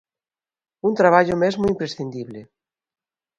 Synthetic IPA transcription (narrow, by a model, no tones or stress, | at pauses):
unt̪ɾaβ̞aʎʊmezmʊimpɾesθind̪iβlɪ